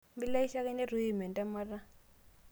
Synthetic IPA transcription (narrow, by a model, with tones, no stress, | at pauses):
mbi˦la˦i˦ʃa˦kɛ˦ne˦ru˦i˨mɛ˨ntʼa˦ma˦ra˦